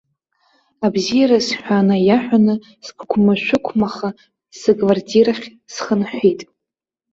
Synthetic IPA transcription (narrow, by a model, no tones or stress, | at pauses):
abzijaɾasħʷᶣanajaħʷᶣanɨ | spʰkʷʰmaʃᶣʷʊkʷʰmaχa | sɨkʼvardʰiraχʲ | sχənħʷitʼ